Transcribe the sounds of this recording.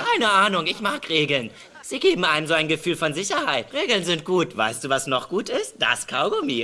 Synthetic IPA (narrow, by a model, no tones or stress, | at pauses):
kʰaɪnəʔaːnʊŋɪçmaːkʁeːɡl̩n | z̥iːɡeːbm̩ʔaɪnəmzoːaɪnɡəfyːlfɔnzɪçɐhaɪtʁeːɡl̩nzɪnt̚ɡ̥uːtv̥a̰ɪstd̥uːvasnɔχɡ̥uːtɪst̚d̥a̰skʰaʊɡomiː